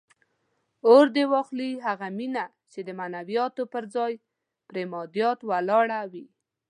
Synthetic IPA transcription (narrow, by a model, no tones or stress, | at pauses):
oɾd̪ewɑxliɦaɣamina | t͡ʃed̪əmanawijɑt̪opəɾd͡zɑj | pɾemɑd̪jɑt̪walɑɽawi